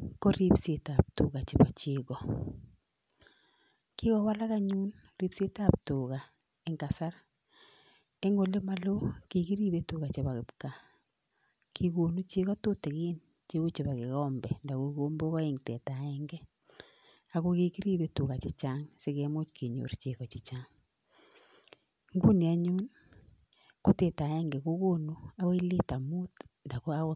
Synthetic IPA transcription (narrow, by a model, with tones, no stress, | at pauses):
ko˦ɾi˦pse˨ta˨p̚tʊ˨ka˨t͡ʃɪ˨pa˨t͡ʃe˦kɔ˨ | kɪ˦kɔ˦wa˦la˦ka˦ɲu˦n | ri˦pse˦ta˦p̚tʊ˨ka˨ | ɪ˨ŋka˨sa˦ɾ | e˦ŋo˨le˦ma˨lo˦ki˨ki˦ɾi˦be˦tʊ˦ka˨t͡ʃe˨ba˨kɪ˨pka˨ | ki˨ko˨nu˦t͡ʃe˦ɣɔ˦tʊ˦te˨kɪ˦n | t͡ʃe˦o˦t͡ʃe˨βa˨kɪ˨kɔ˦mbɛ˨nda˨ko˨ko˦mbo˦kɔ˦i˦ŋtɛ˨ta˨ɛ˦ŋɡɛ˦ | a˨ko˦ki˦ki˦ɾi˦βe˦tu˨ka˨t͡ʃɪ˦t͡ʃa˦ŋse˦kɛ˦mʊ˦t͡ʃkʰe˨ɲo̰˨ɾt͡ʃe˨kɔ˨t͡ʃɪ˨t͡ʃa˦ŋ | ŋɡu˦ni˨a˦ɲu˦n | ko˦te˨ta˨ɛ˦ŋɡɛ˨ko˦ko˦nu˦a˦kɔ˦i˦li˦ta˨mu˦tnda˨ko˦a˦ko˦